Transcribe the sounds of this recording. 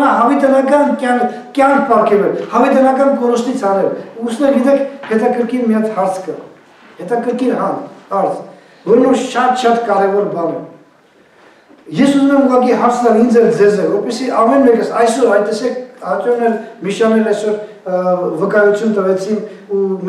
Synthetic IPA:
nɑɦɑvit̪ɛnɑkɑnkɑŋ | kjɑŋkʰpɑɾkʰɛluɛhɑvɛt̪ɛnɑkɑnkɔnɔst̪it͡sʰɑnɛluːsnɛɾɡit̪ɛkʰhɛt̪ɑkəɾkʰiɾmijɑt̪hɑɾt͡sʰkʰə | hɛt̪ɑkəɾkiɾɦɑnɑɾt͡s | vɔɾmɔʃʃɑd̪ʃɑd̪kɑɾɛvɔɾbɑnɛm | jɛsunnɛmuʁɑkiɦɑɾt͡sʰnɑɾind͡zɛld͡zɛzɛvɔɾpɛsiʔɑmɛnmɛkəsɑjsɔɾɑjt̪ːɛsɛkʰhɑt͡ʃɔɾnɛɾmiʃɑnɛlɑjsɔɾ | vəkɑjut͡sʰjunt̪əvɛt͡sʰinu

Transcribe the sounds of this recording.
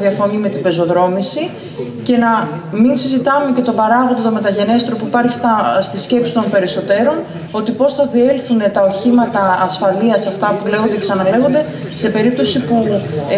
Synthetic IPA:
ðiɐfo̞nime̞t̪ibe̞zo̞ðɾo̞misi | ce̞nɐminsizit̪ɐme̞ce̞t̪o̞bɐɾɐɣod̪ot̪o̞me̞t̪ɐʝe̞ne̞st̪ɾo̞puipɐɾçi̥st̪ɐst̪isce̞psi̥t̪o̞npe̞ɾiso̞t̪e̞ɾo̞n | o̞t̪ipo̞sθɐðie̞lθune̞t̪ɐo̞çimɐt̪ɐːsfɐliɐsɐft̪ɐpule̞ɣond̪eesɐnɐle̞ɣo̞nd̪e̞ | se̞pe̞ɾip̚t̪o̞sipu

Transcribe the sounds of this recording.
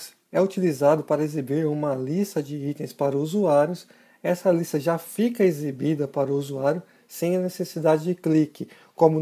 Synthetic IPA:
s | ɛut͡ʃilizad̪ʊpaɾɐezibiɾũmɐlist̪ɐd͡ʒɪit̪ẽj̃spaɾɐuzuaɾjʊs | ɛsɐlist̪ɐʒafikɐezibid̪ɐpaɾʊuzuaɾjʊ | sẽj̃ɐnesesid̪ad͡ʒɪd͡ʒɪklikɪ | kõmʊ

